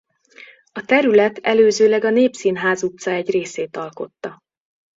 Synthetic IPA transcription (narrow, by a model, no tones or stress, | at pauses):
ɒt̪ɛɾylɛt̪ɛløːzøːlɛɡɒneːpsiːnɦaːzut̪sɒɛɟreːseːt̪ɒlko̞t̪ːɒ